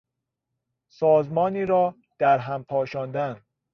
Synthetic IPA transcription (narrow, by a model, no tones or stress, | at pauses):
sɒːzmɒːniːɾɒː | d̪̥æɾɦæmpʰɒːʃɒːnd̪æn